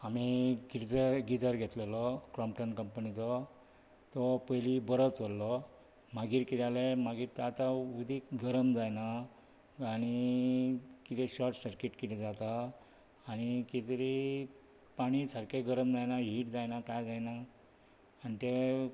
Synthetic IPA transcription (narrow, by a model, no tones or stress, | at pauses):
amiɡid͡zəɾɡid͡zəɾɡʱet̪lelɔkɾɔmpʈənkəmpənit͡sɔ | t̪ɔpəjlibəɾət͡sɔlːɔ | maɡiːɾkit̪alemaɡiːɾt̪at̪aud̪ʱikɡəɾəmd͡zajnaː | ɽ̃i | kit̪eɕɔɾʈsəɾkeʈkit̪id͡zat̪aː | ɽ̃ikit̪ɾi | paɽ̃isəɾkeɡəɾəmd͡zajnaɦiʈd͡zajnakajd͡zajnaː | nit̪e